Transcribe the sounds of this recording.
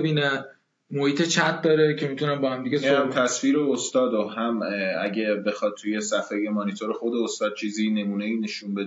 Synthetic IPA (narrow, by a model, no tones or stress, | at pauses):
biːnæ | mohiːt̪ʰe̞t͡ʃʰæt̪̚ʰd̪ɒːɾecʰe̞mit̪ʰunæmbɒːhæmd̪iɡʲesoæmt̪ʰæsfiːɾeost̪ɒːd̪oɦæmæɟebe̞xɒːd̪̚t̪ʰːuje̞sæfeje̞mɒnit̪ʰoɾexo̞d̪e̞ost̪ɒːd̪̚t͡ʃʰiːziːne̞muːne̞iːne̞ʃunbe̞d̪